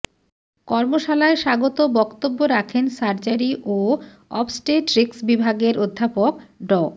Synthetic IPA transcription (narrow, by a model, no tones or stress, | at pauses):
kɔɾmoʃalaeʃaɡot̪obɔkt̪obːoɾakʰensaɾt͡ɕaɾiʔo | ɔ̰psʈeʈɾeksbibʱaɡeɾʔod̪ʱːapokɖɔ